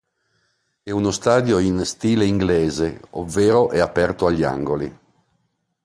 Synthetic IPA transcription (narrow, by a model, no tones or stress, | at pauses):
ɛunost̪aːd̪joinst̪iːleiŋɡleːzeo̰vːeːɾoʔɛapɛrt̪oaʎːia̰ŋɡoli